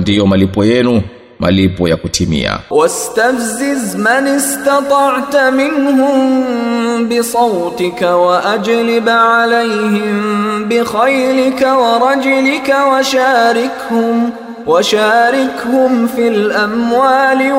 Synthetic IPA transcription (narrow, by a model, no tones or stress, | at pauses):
ndijɔmalipɔjɛnu | mʔa̰lipɔjakutʰimḭa̰wast̪afzɪzmanɪst̪ɑt̪ˤɑʕt̪mɪnhʊm | bɪsˤɑwt̪ɪkawaʔad͡ʒlɪbʕalajhɪmbɪxajlɪkawɑɾˤɑd͡ʒʊlɪkawaʃaːɾɪkhʊm | waʃaːɾɪkhʊmfilʔamwaːlɪ